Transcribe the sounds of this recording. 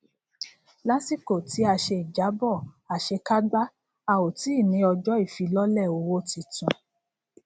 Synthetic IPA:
la˦ti˦˨ko˨ti˨˦a˧ʃe˧i˨d͡ʒa˨˦bɔ˦˨ | a˨ʃe˧ka˦ɡ͡ba˦ | a˧˨wo˨ti˨˦˨mĩ˨˧˦ɔ˧d͡ʒɔ˦i˦˨fi˨˧˦lɔ˦lɛ˦˨o˨˧wo˦ti˧tũ˧

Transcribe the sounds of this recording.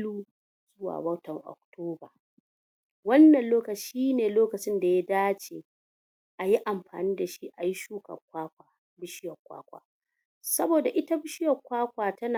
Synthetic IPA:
luː˦ | zʊ˦wa̰ː˨bɐ˦tɔ˨ŋʔɔ̰˨k̚tʰoː˦ba˨ | wɐ˦nːɐ˨nloː˦kɐ˨t͡ʃiː˦neː˨loː˦kɐ˨t͡ʃɪ˦nda˨ja˦daː˦t͡ʃeː˨ | ʔa˨ji˦ʔa˨mɸa̰ː˨niː˦da˨ʃi˦ʔa˨ji˦ʃuː˦kɐ̰˨kʷaː˦kʷaː˨ | bɪ˦ʃɪ˦jɐ˨kʷa̰ː˦kʷa̰ː˨ | sɐ˦boː˨da˨ʔɪ˦ta˦bɪ˦ʃɪ˦jɐ˨kʷaː˦kʷaː˨tɐ˦naː˨

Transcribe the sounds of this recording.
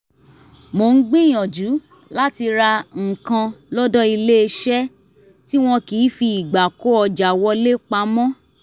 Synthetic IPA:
mo˨n̩˦ɡ͡bĩ˦j̃ɔ̃˨d͡ʒu˨˦ | la˦ti˧ɾa˧ŋ̩˨kã˧lɔ˦dɔ˦i˧le˦e˧ʃɛ˦ | ti˦w̃ɔ̃˦kiː˨˦fi˧i˨ɡ͡ba˨ko˦ɔ˧d͡ʒa˨wɔ˧le˦k͡pa˧˦mɔ̃˦

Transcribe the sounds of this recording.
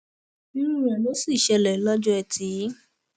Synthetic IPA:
nĩ˦ũ˦ɔ̃˨no˨˦si˦˨ʃɛ˧lɛ˨˦lɔ˦d͡ʒɔ˦ɛ˧tʰi˨˦

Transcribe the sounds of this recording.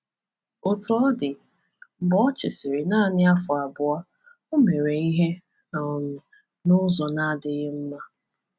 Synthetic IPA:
ʊ˨tʊ˦ɔ˦dɪ˨ | m̩˨bɔ˦t͡ʃɪ˨sɪ˨ɾɪ˨na˦˨nɪ˦a˦fʊ˨a˨bʊ˨a˦ | o˦me˨ɾe˨i˦ɦe˦˨ | m̩˨ | nʊ˦zɔ˨na˦dɪ˨ɣɪ˦m̩˦ma˦

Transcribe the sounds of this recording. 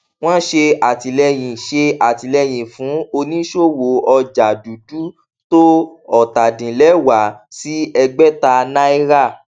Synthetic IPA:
w̃ɔ̃˦ʃe˧a˨ti˨lɛ˧j̃ĩ˨ʃe˧a˨ti˨lɛ˧j̃ĩ˨fũ˨˦o˧nĩ˦ʃo˦˨wo˨ɔ˧d͡ʒa˨du˨du˨˦ | to˦ɔ˨ta˨dĩ˨lɛ˨˦wa˨si˦ɛ˧ɡ͡bɛ˦ta˧nã˦i˦ɾa˦˨

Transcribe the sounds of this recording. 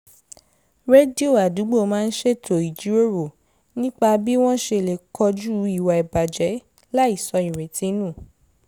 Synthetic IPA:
ɾe˦di˦o˦˨a˨du˨˦ɡ͡bo˦˨˦mãː˦˧n̩˦ʃe˦˨tʰo˨i˨d͡ʒi˨˦o˦ɾo˨ | nĩ˦k͡pa˧bi˦w̃ɔ̃˦ʃe˧˨le˨kʰɔ˧d͡ʒu˦i˦˨wa˨i˨ba˨d͡ʒɛ˨˦ | la˦i˦˨sɔ˧ĩ˨ɾ̃ẽ˨tĩ˧˦nũː˦˨

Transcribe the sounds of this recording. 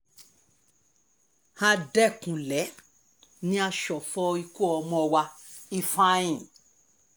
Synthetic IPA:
ha˧dɛ˦kũ˨lɛ˨˦ | nĩ˦a˧ʃɔ˨fɔ˧i˧ko˦˨ɔ˧mɔ̃˧wa˧i˧fã˦ĩ˨

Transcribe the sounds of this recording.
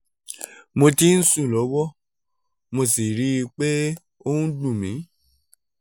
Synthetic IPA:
mo˧ti˦n̩˦sũ˦˨lɔ˨˦wɔ˦ | mo˧si˨ɾi˨˦i˧k͡pe˦ | o˦ũ˦dũ˦˨mĩ˨˦

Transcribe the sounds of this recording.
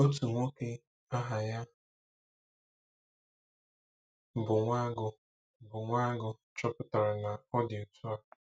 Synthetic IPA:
o˦tu˨ŋʷo˦ke˦ | a˦ɦa˨ja˦ | bʊ˨ŋʷa˦ɡʊ˨ | bʊ˨ŋʷa˦ɡʊ˨ | t͡ʃɔ˦pʊ˦ta˨ɾa˨na˨ɔ˦dɪ˨o˨tu˦a˦ɡʊ˨

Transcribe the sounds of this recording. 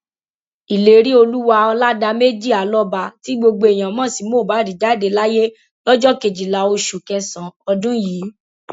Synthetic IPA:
i˨le˨ɾi˦o˧lu˦wa˧ɔ˧la˦da˧me˦d͡ʒi˦˨a˨˦lɔ˦ba˧ti˨˦ɡ͡bo˧ɡ͡bo˧e˨j̃ã˨mã˦˨si˨˦mo˦˨ba˨˦di˨d͡ʒa˨˦˨de˧la˦je˦ | lɔ˦d͡ʒɔ˦ke˨d͡ʒi˨la˨o˧ʃu˨kɛ˧sã˨ɔ˧dũ˦jiː˨˦

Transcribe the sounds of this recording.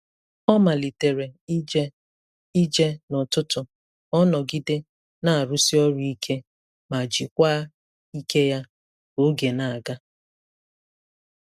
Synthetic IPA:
ɔ˦ma˨li˨te˨ɾe˨˦ | i˦d͡ʒe˦nʊ˨tʊ˦tʊ˨ | ɔ˦nɔ˨ɡi˦de˦ | na˦a˨ɾu˦si˦ɔ˦ɾi˦kʰe˦ | ma˨d͡ʒi˨kʷa˦ | i˦ke˦ja˦ | o˦ɡe˨na˨a˨ɡa˦

